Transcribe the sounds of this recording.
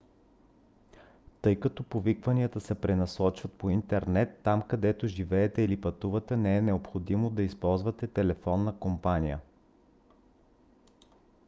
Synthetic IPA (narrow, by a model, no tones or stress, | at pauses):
t̪ɤjkɐt̪ɔpovikvɐniət̪əsɛpɾɛnɐsɔt͡ʃvɐt̪̚point̪ɛɾnɛt̪ːamkɐd̪ɛt̪oʒivɛːt̪ɛilipɐt̪uvɐt̪ɛnɛɛnɛopxod̪imod̪ɐispɔlˠzvɐt̪ɛt̪ɛlɛfɔnːəkompanijə̰